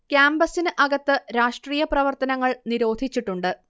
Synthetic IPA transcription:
kjaːmbɐsinɨʔɐɡɐt̪ːɨɾaːʂʈriːjɐprɐʋɐrt̪ɐnɐŋːɐɭniɾo̞ːd̪ʱit͡ɕːiʈːuɳɖɨ

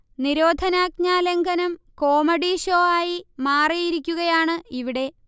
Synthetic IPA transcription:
niɾoːd̪ʱɐnaːɡ̚ɲaːleŋɡʱɐnɐmko̞ːmɐɽiːʂo̞ːaːjimaːrijiɾikʲːuɣɐjaːɳɨiʋiɽe̞

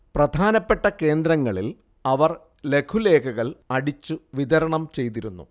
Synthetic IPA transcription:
prɐd̪ʱaːnɐpːe̞ʈːɐke̞ːnd̪ɾɐŋːɐɭil | ɐʋɐr | le̞kʰule̞ːkʰɐɣɐɭɐɽit͡ɕːuʋiðɐɾɐɳɐmt͡ɕe̞jt̪̬iɾunːṵ

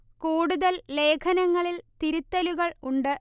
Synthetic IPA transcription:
kuːɽuðɐlle̞ːkʰɐnɐŋːɐɭilt̪iɾut̪ːɐluɣɐɭuɳɖɨ

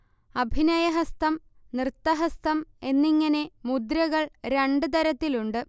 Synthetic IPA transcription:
ɐbʱinɐjɐɦɐst̪ɐm | nrɨt̪ːɐɦɐst̪ɐme̞nːiŋːɐne̞mud̪ɾɐɣɐɭɾe̞ɳɖɨt̪ɐɾɐt̪ːiluɳɖɨ

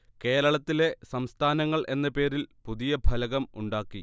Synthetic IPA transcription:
ke̞ːɾɐɭɐt̪ːile̞sɐmst̪ʰaːnɐŋːɐɭʔe̞nːɐpe̞ːɾilpuðijɐbʱɐlɐɣɐmuɳɖaːkːi

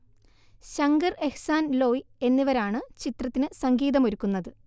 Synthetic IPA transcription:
ɕɐŋɡɐre̞hsaːnlo̞ːie̞nːiʋɐɾaːɳɨt͡ɕit̪rɐt̪ːinɨsɐŋɡiːðɐmoɾukːunːɐðɨ

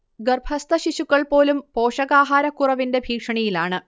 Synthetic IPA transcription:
ɡɐrbʱɐst̪ɐɕiɕukːɐɭpo̞ːlumpo̞ːʂɐɣaːɦaːɾɐkːurɐʋinde̞bʱiːkʂɐɳijilaːɳɨ

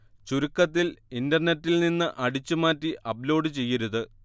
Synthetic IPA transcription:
t͡ɕuɾukːɐt̪̬ːilindɐrnetːilninːɨʔɐɽit͡ɕːumaːtːiʔɐblo̞ːɖɨt͡ɕe̞jːɐɾuðɨ

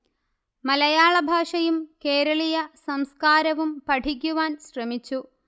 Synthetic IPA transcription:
mɐlɐjaːɭɐbʱaːʂɐjumke̞ːɾɐɭijɐsɐmskaːɾɐʋumpɐʈʰik̬ʲːuʋaːnɕrɐmit͡ɕːu

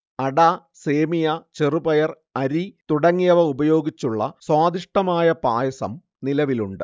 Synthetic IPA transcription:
ɐɽa | se̞ːmijɐt͡ɕerubɐjɐr | ɐɾit̪uɽɐŋːijɐʋɐubɐjo̞ːɡit͡ɕːuɭːɐswaːd̪iʂʈɐmaːjɐpaːjɐsɐ̰m | nilɐʋiluɳɖɨ̰

